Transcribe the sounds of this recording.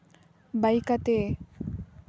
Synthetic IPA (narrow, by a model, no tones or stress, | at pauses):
bajkat̪e